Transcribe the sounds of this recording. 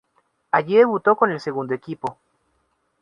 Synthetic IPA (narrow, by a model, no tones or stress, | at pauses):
aʝiðe̞βut̪o̞ko̞ne̞lse̞ɣund̪oekipo̞